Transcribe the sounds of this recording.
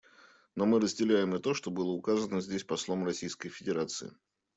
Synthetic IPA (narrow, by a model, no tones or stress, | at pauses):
no̞mɨɾəzʲdʲɪlʲæjɪmɨt̪o̞ʂt̪o̞bɨlˠəʊkazənəzʲdʲesʲpɐslˠo̞mrɐsʲijskəjfʲɪdʲɪɾat̪sɨ̰ɪ̰